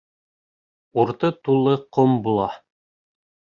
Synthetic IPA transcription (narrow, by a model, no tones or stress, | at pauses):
uɾt̪ɤt̪ulˠːɤqombulˠɑ